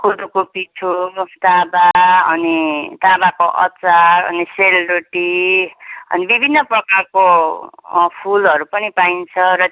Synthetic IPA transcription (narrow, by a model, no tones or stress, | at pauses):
kuɖukopiʈʰut̪abaʌ̰nit̪abakoʔʌ̰t͡saɾʌ̰niselɾoʈi | ʌ̰nibibʱinːʌprʌkarko | pʰulʌɾupʌnipaint͡sʰʌɾʌ